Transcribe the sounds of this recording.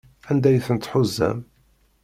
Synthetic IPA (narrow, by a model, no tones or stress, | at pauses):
ænd̪æjθənt̪ħʊzːæ̰m